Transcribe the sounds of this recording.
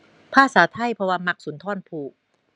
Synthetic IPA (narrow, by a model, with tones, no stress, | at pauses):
pʰaː˥˩saː˩˦t̪ʰa˧˥˩jpʰɔ˧waː˧ma˧˥k̚suː˩˦nt̪ʰɔː˧˥˩npʰuː˧˩k̚